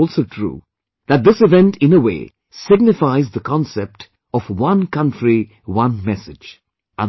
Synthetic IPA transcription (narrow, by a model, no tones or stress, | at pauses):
ɔlˠsotʰɾṵː | ðæt̚d̪ɪsɨvɛ̃ntʰɪ̃nəwḛː | sɪɡ̚nɪfaɪzðəkʰɔ̃nsɛp̚ʈ | ɔfwʌ̃nkʌ̃ntʰɹi | wʌ̃nmɛsɪd͡ʒ | ə̃